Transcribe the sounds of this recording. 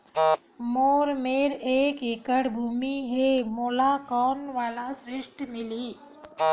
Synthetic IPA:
moːɾmeɾeːkikəɽbʱuːmiɦemolakɔːnʋalasɾɪʂʈmɪliː

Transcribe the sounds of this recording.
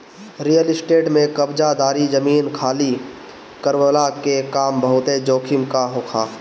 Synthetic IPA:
ɾijəlɪsʈeːʈmẽkəbd͡ʒad̪aːɾid͡ʒəmiːnkʰaːli | kəɾwəlakekaːmbəɦʊt̪ed͡ʒoːkʰɪmkaɦʊkʰaː

